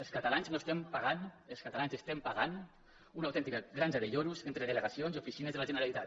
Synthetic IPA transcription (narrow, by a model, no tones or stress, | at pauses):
elˠskat̪alanznoest̪ɛmpaɣanelˠskat̪alanzest̪empaɣan | unawt̪ɛnt̪ikəɣɾanzeðeʎoɾuzent̪ɾeðələɣasionziufisinezðelaʒənəɾalit̪at̪